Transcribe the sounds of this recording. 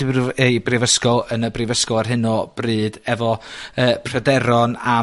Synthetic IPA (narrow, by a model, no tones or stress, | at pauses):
ejbrɪvəskɔlˠənəbrɪvəskɔlˠarɦɪnɔb̥rɨːdɛvɔəːpʰrədɛɾɔna